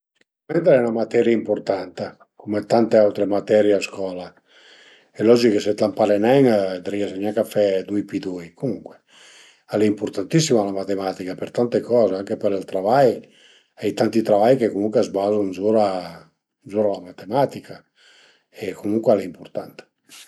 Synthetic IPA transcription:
sikuament̪ɾɛunamat̪ɛɾjaimpuɾt̪ant̪a | kumet̪ant̪eawt̪ɾemat̪ɛɾjaaskɔla | elɔd͡ʒikeset̪lampaɾenɛŋd̪ɾiasaɲakafɛd̪ujpid̪ujkumuŋkwe̥ | aleimpuɾt̪ant̪is̬ːimalamat̪emat̪ikapeɾt̪ant̪ekɔːzeaŋkepeɾilt̪ɾavaj | ɛjt̪ant̪it̪ɾavajkekomuŋkweazbazunzuɾa | nzuɾalamat̪emat̪ikʰa | ekʰomuŋkwealeimpuɾt̪ant̪ḁ

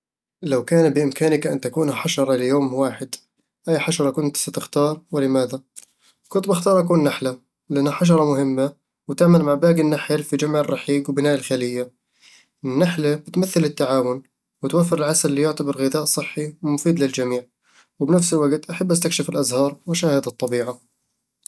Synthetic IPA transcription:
lawkaːnbɪʔɪmkaːnɪkʔant̪akuːnħaʃɑɾˤɑlɪjoːmwaːħɪd̪ | ʔajːħaʃɑɾˤɑkʊnt̪sat̪ɪxt̪ɑːɾˤwɪlɪmaːða | kʊnt̪bɪxt̪ɑːɾˤʔak̬uːnːaħla | lɪʔanːaħaʃ̬ɑɾˤɑmʊɦɪmːa | wɪt̪aʕmalmaʕbaːɡɪnːaħɪlfid͡ʒamʕɪrˤːɑħiːɡwbɪnaːʔɪlxalɪjːa | ʔɪnnːaħlab̥ɪt̪maθːɪlɪt̪ːaʕaːwʊn | wɪt̪wafːɪɾɪlʕasalːijʊʕt̪abɑɾˤɣɪðaːʔsˤɨħːiwɪmʊfiːd̪lɪld͡ʒamiːʕ | wɪbnafsɪlwaɡt̪ʔaħabːʔast̪akʃɪfɪlʔazhɑːɾˤwɪʃaːhɪd̪ɨt̪ˤːɑbiːʕa

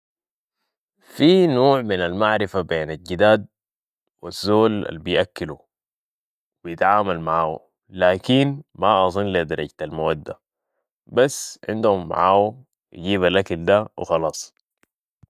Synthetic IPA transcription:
fiːnoːʕminalmaʕɾɪfabeːnalɟid̪aːd̪̚ | wazːoːla̰lbijʔakːilu | wijɪt̪ʕaːmalmaʕaːṵ | laːkinmaʔɑzˤɨnlid̪ɑɾˤɑ̰ɟt̪almawad̪ːa̰ | basːʕɪ̰nd̪humːa̰ʕaːu | j̰ɟiːβalʔakald̪awɪ̰xɑlɑːsˤ

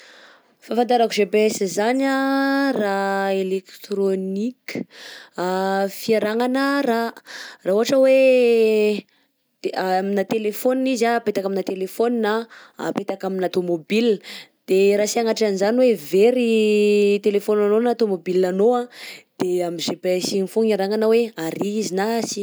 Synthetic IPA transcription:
fãfant̪aɾakuzebesizanaraelekt̪ɾonikə̥afiaɾaŋanəraraɦuɦaʈ͡ʂəwe | minat̪elefonizaapet̪akaminat̪elefoninaa̰pet̪akaminat̪omobild̪̥eɾasiaŋaʈ͡ʂanizaniweveɾi | t̪elefonanonat̪omobilanoãd̪̥eamizepasinifuɲaɾaŋanəweaɾiizinasi̥

